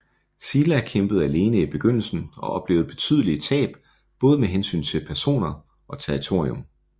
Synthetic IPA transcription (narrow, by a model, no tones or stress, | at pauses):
siːlækʰemb̥əð̞̩ˠæle̝ːnəib̥e̝ɡ̥øn̰l̩sn̩ɒ̽ʔɒ̽b̥le̝ːʊð̞̩ˠb̥e̝̥t͡sʰyð̞ˠlit͡sʰɛ̰ːb̥ | b̥ɔ̽ːð̞ˠmeɦensy̰ːnt͡sʰe̝lpʰæɐso̝̰ːnɐ | ɒ̽t͡sʰæʁit͡sʰo̝ɐ̰iom